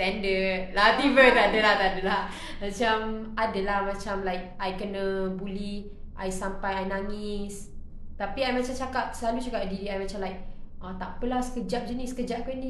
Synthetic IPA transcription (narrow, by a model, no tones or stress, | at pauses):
ɛndəlat̪ivət̪adəlaht̪adəlah | mat͡ʃamadalahmat͡ʃamlajk̚ʔajkənəbuli | ʔajsampajajnaŋis | t̪apiajmat͡ʃamt͡ʃakap̚səlalut͡ʃaɡaʔdiɾiajmat͡ʃamlajk̚ʔat̪aʔpəlasə̥kəd͡ʒap̚d͡ʒənisə̥kəd͡ʒaʔ̚kəni